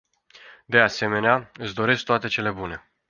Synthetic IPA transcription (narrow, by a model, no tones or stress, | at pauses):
d̪e̞ase̞me̞neaɨt̪sʲd̪o̞ɾe̞sk̚t̪oat̪e̞t͡ʃe̞le̞bune̞